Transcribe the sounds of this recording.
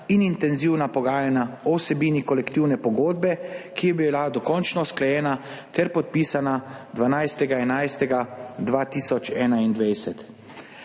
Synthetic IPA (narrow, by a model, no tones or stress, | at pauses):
inint̪ɛnziwnapɔɡaːjanaɔwsɛbiːnikɔlɛkt̪iwnɛpɔɡoːd̪̚bɛkijɛbilad̪ɔkɔnt͡ʃnɔsklɛjɛːna | t̪ɛɾpɔt̪̚piːsanad̪ʋanajst̪ɛɡaɛnajst̪ɛɡad̪ʋaːt̪iːsɔt͡ʃɛːnaind̪ʋɛjsɛt̪